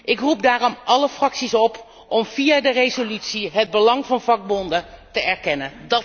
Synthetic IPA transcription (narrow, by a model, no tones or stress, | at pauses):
ʔɪkrup̚daːrɔmʔɑləfrɑksisɔp | ɔmv̥ijaːdərezolytsiɦəd̚bəlɑŋvɑnvɑɡ̚bɔndətəɛɹkɛnəndɑ